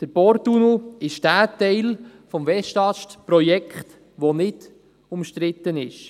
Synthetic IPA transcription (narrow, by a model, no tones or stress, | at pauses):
d̥əɾbɔɾt̪unoɪʃd̥æːtɛɪlfɔmvɛʃtɑʃtpɾɔjɛkχt̪ | ʋonɪd | ʊmʃt̪ɾɪt̪ːənɪʃ